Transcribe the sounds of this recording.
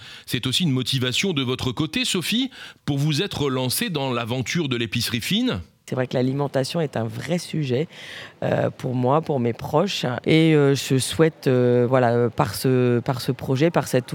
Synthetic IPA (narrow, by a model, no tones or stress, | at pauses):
sɛt̪osiynmɔt̪ivasjɔ̃d̪əvɔt̪χəkot̪esɔfipuʁvuzɛt̪χəlɑ̃sed̪ɑ̃lavɑ̃t̪ʰyʁd̪əlepisʁifin | sɛvʁɛklalimɑ̃t̪asjɔ̃ɛt̪ɛ̃vʁɛsyʒɛø̰puʁmwapuʁmepχɔʃeøʒəswɛt̪øvwalaøpaʁsəpaʁsəpχɔʒɛpaʁsɛt̪